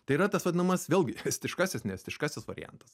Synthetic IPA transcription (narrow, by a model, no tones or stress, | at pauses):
t̪ɐɪiɾɐt̪ɐsʋɐd̪ʲɪnɐmɐsʋʲeːlʲˠɡʲɪɛsʲt̪ʲɪʃkɑsʲɪsnʲɛɛsʲt̪ʲɪʃkɑsʲɪsʋɐ̰ɾʲɪ̰jɛ̰nt̪ɐs